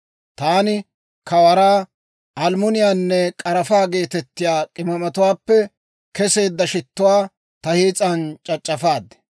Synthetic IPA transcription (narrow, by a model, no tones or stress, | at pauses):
t̪aːnɪ | kɐwɐɾaː | ʔɐlmʊnɪjaːnːɛkʼɐɾɐfaːɡe̞ːt̪ɛt̪ːɪjaːkʼɪmɐmɐt̪ʊwaːpːɛ | kɛse̞ːd̪ːɐʃɪt̪ːʊwaː | t̪ɐhiːt͡sʼɐnt͡ʃʼɐt͡ʃʼːɐfaːd̪ːɛ̥